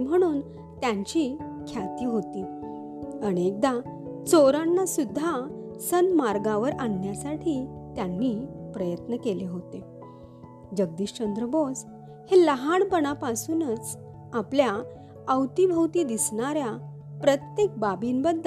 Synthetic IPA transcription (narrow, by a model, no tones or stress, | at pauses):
m̤əɽ̃uːn | t̪jaɲt͡ɕiː | kʰjat̪iːɦot̪i | əɽ̃iek̚d̪a | t͡soɾanːasud̪ʱːasənmaɾɡãʋəɾaɳːjasaʈʰiːt̪janːiːpɾəjət̪nəkeliːɦot̪e | d͡ʑəɡ̚d̪iːɕt͡ɕənd̪ɾəbos | heləɦaɳpəɳ̃apasuːnət͡s | aplja | əwt̪ibʱəwt̪iːd̪isɳaɾja | pɾət̪jek̚babinbəd̪ːə